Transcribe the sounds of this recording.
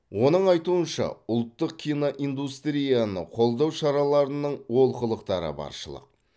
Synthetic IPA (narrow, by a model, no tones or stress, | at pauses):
wo̞nəɴɑjt̪uənʃɑ̰ʊlˠt̪ːəq̚kʲʰijnoʔind̪ust̪ɾijanəqʰo̞lˠd̪ɑwʃɑɾɑlˠɑɾənəɴwo̞lˠqəlˠəqt̪ɑɾə̰bɑ̰ɾʃəlˠə̰q̚